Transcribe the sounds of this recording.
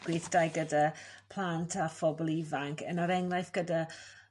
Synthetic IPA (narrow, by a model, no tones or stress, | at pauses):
ɡ̥wɪθd̥ajɡədapʰl̥ˠantʰafɔbɔlˠivaŋkʰɛnaɾɛŋlajθɡ̥əda